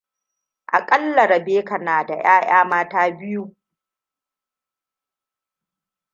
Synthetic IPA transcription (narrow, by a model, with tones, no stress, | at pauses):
ʔa̰˨kʼɐ˦lːɐ˨ɾɐ˨beː˦kɐ˨naː˨da˨j̰aː˦j̰aː˦maː˦taː˦bɪ˦ju˦